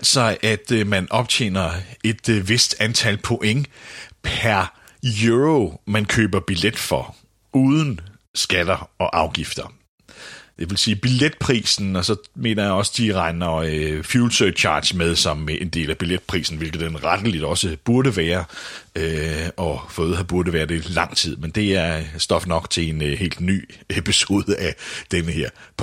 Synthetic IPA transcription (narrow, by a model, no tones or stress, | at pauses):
l̰sɒ̽ʔæd̥mænʔɒ̽b̥t͡sʰe̝̰ːnɐe̝d̥ʋe̝sd̥ænt͡sʰælpʰo̝ʔeŋpʰæɐ | juʁomænkʰø̰ːb̥ɐb̥iled̥fɒ | uːðˠən̩ | sɡ̥æd̥ɐɒ̽ʔɑ̈ʊɡ̥ifd̥ɐ | d̥e̝ʋe̝lsiːb̥iled̥̚pʰʁḭːsn̩ɒ̽sɒ̽me̝̰ːnɐjäɪɒ̽sə̥d̥iʁɑ̈ɪnɐøfjuːlsøt͡ɕʰɑ̰̈ːd̥smeð̞ˠsɒ̽mʔe̝nd̥e̝̰ːlæb̥iled̥̚pʰʁḭːsn̩ʋelɡ̥ð̩ˠd̥enʁɑd̥əlid̥ɒ̽səb̥uɐɾəʋæːɐøɒ̽fɔð̩ˠhæb̥uɐɾəʋæːɐd̥e̝lɑ̈ŋ̰t͡sʰið̞̰ˠmend̥e̝æɐsd̥ɒ̽fnɒ̽ɡ̥t͡sʰe̝e̝nhe̝̰ːld̥ny̰ːepʰiso̝̰ːðˠəʔæd̥enəheɐ̰pʰ